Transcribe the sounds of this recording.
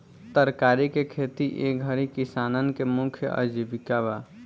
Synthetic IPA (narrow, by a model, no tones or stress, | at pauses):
t̪əɾkaːɾikekʰeːt̪iʔḛːɡʱəɾikɪsaːnənkemʊ̃kʰjə̰ʔə̰d͡ʒibɪkaːʋaː